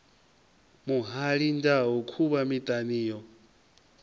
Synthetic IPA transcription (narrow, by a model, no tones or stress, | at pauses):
muɦaɺindaɦukʰuβamit̪ʼaniːjɔ